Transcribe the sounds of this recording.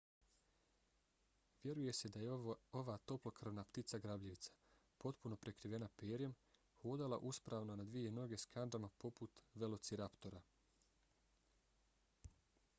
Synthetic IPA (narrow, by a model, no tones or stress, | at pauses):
ʋje̞ɾuje̞se̞d̪ajeo̞ʋaːt̪o̞plo̞kr̩ʋnapt̪it̪saɡɾabʎeʋit̪sḁ | po̞t̪puno̞pɾe̞kɾiʋe̞napeːɾijem | hoːd̪alˠa̰ʔuspɾaːʋnanad̪ʋijeno̞ɡe̞skʰand̪ɾamapo̞put̪ʋelot̪siɾapt̪o̞ɾa